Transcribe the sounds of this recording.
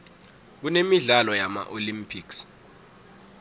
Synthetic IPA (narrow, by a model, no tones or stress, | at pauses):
k̬unemiɮalɔjama̰ʔolimpʰiks